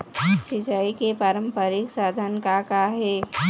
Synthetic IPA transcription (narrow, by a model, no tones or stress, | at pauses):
sit͡ʃaikepaːɾə̃mpəɾiksad̪ʱənkakaɦeː